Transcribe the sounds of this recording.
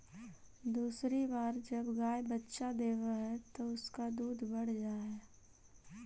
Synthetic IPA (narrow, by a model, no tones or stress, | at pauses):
d̪uːsɾibaːɾd͡ʒɐbɡaːjbətːʃad̪eːʋaɦɛt̪oʊskad̪uːd̪ʱbɐɽ̤d͡ʒaːe